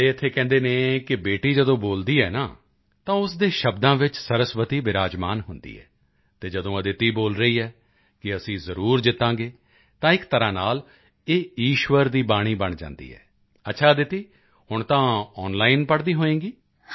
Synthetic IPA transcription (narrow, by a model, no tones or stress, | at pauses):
eːɪt̪ʰːeːkɛ̃ːnd̪eːnẽːkɪbeːʈiːd͡ʒəd̪õːboːld̪iːɛ̰ːnaː | t̪ãːʊsd̪eːʃəbd̪ãːʋɪt͡ʃsəɾəsʋət̪iːbɪɾaːd͡ʒmaːnɦʊnd̪ḭːɦɛ̰ː | t̪eːd͡ʒəd̪õːəd̪ɪt̪iːboːlɾəiːɛː | kɪəsĩːzəɾuːɾd͡ʒɪt̪ːãːɡeː | t̪ãːɪkt̪əɾãːnaːl | eːiːʃʋəɾd̪iːbaːɽ̃iːbəɳd͡ʒã̰ːnd̪ḭːɛ̰ː | ətːʃʰaːd̪ɪt̪iː | hʊɳt̪ãːɔːnlaːɪnpəɽd̪iːɦoːẽːɡiː